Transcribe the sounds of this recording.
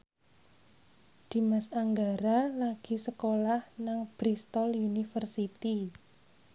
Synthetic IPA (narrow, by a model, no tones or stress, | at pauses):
d̪̥i̤masaŋɡaɾalaɡ̥i̤səkolahnaŋb̥ɾist̪ɔlunifərsit̪i